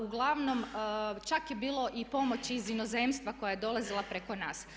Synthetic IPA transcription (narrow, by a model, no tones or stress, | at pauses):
uɡlˠaʋno̞mt͡ʃakjebiːlˠo̞ʔipo̞mo̞t͡ɕizinoze̞mst̪ʋako̞jaje̞d̪o̞lˠazilˠapɾeko̞naːs